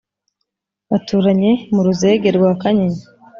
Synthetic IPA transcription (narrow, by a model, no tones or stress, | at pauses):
βatuːɾaɲe̞muɾuze̞ːɡe̞ɾɡwaːkaɲiɲi